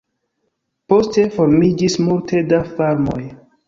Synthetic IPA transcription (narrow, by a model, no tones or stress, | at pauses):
po̞ste̞fo̞ɾmid͡ʒismultʰe̞dafaɾmo̞̰j